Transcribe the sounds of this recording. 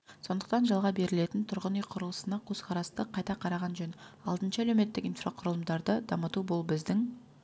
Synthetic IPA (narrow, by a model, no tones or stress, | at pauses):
so̞nd̪əq̚t̪ɑnʒɑlˠʁɑbe̞ɾɪle̞t̪ɪnt̪ʰʊɾʁənijqʰʊɾəlˠəsənɑkʲʰɵz̥qʰɑɾɑst̪əqʰɑjt̪ɑqʰɑɾɑʁɑnʒɵnɑ̰lˠd̪ənʃɑælewme̞t̪ːɪkijnfraqʰʊɾəlˠəmd̪ɑɾd̪əd̪ɑmət̪ubolˠbɪzd̪ɪŋ